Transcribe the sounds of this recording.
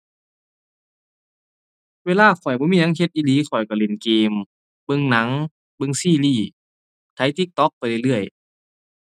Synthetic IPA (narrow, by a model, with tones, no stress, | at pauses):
weː˧laː˧˥˨xʰɔ˨˩jbɔː˧˦miː˧˨na˧˦˥ŋhe˧˦t̪̚ʔiː˧˨liː˨˧˦kxɔ˨˩jka˧˩le˨˧˩nkeː˧m | bɤ˧ŋna˧˦ŋ | bɤ˧ŋsiː˧˩˨liː˧˩ | t̪ʰa˨˦jt̪i˧˦k̚t̪ɔ˧˦k̚pa˧jlɯ˧˩jlɯ˥˩əj